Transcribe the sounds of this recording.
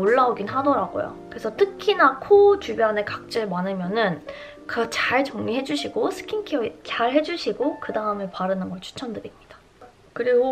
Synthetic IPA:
oɭːaoɡinɦadʌɾaɡo̰jo̰kɯɾesʰʌtʰɯkʰinakʰot͡ɕubjʌne̞kak̚t͡ɕ͈ɯɭmanɯmjʌnɯn | kɯt͡ɕaɭt͡ɕʌŋɲiɦe̞d͡ʑuɕʰiɡosʰɯ̥kʰinkʰit͡ɕaɭɦe̞d͡ʑuɕʰiɡokɯdaɯmepaɾɯnɯnɡʌɭt͡ɕʰu̥t͡ɕʰʌndɯɾimɲid̥ḁ | kɯɾiɡo

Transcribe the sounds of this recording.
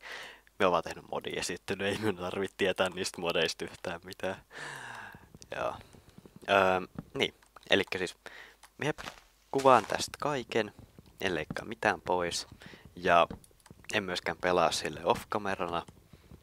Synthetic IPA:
mieoʋɑːt̪ehnymmo̰dḭḛsit̪ːynyeimyønt̪ɑrʋit̪tːiet̪æːnniːst̪modeist̪yht̪æːmmit̪æː | jɑ̰ː | əːmnḭː | ʔḛlikːæsiːsmie | kuʋɑːnt̪æ̰st̪kɑikenḛnleikːɑ̰ːmit̪æːmpoisjɑ | emmyøskæmpelɑːssilːḛofkɑmerɑnɑ

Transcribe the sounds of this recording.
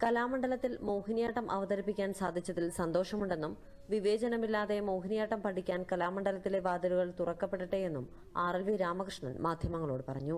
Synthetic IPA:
kɐlaːmɐɳɖɐlɐt̪ːilmoːhinjaːʈːɐmʔɐʋɐðɐɾipːikʲːaːnsaːd̪ʱit͡ɕːɐðilsɐnd̪o̞ːʂɐmuɳɖe̞nːum | ʋiʋe̞ːd͡ʑɐnɐmilːaːðe̞mowɦinijaːʈːɐmpɐʈʰikʲːaːnkɐlaːmɐɳɖɐlɐt̪ːile̞ʋaːd̪ɐɾuɣɐɭt̪urɐkːɐpːeʈːɨʈːeje̞nːum | aːrɐlʋiɾaːmɐkrɨʂɳɐ̰nmaːd̪ʱjɐmɐŋːɐɭoːɽɨpɐrɐɲːu

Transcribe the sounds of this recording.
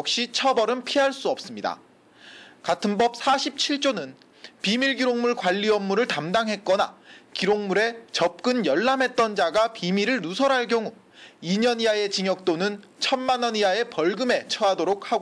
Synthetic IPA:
jʌk̚ɕ͈it͡ɕʰʌbʌɾɯnpʰiɦaɭs͈uʌp̚s͈ɯmɲida̰ | katʰɯnbʌp̚s͈ʰaɕʰip̚t͡ɕʰiɭt͡ɕ͈onɯn | pimiɭɡiɾoŋmuɭkwaʎːiʌmːuɾɯɭtamdaŋɦe̞t̚k͈ʌna̰kiɾoŋmuɾe̞t͡ɕʌp̚k͈ɯnjʌɭːamɦe̞t̚t͈ʌnd͡ʑaɡapimiɾɯɭnusʰʌɾɦaɭk̬͈jʌŋu | iɲʌniae̞t͡ɕiŋjʌk̚t͈onɯnt͡ɕʰʌnmanʌniae̞pʌɭɡɯme̞t͡ɕʰʌadoɾok̚haɡo

